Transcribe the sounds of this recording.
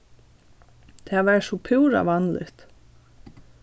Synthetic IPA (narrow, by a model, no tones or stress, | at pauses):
t̪ʰavɛsupʰɪwɾa̰vanlɪ̰ht̪